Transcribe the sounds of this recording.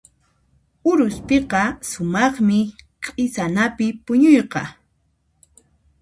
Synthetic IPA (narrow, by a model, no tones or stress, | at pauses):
ʊɾʊspeqɑsʊmɑχmɪqʼɪsanapɪpʊɲʊjqɑ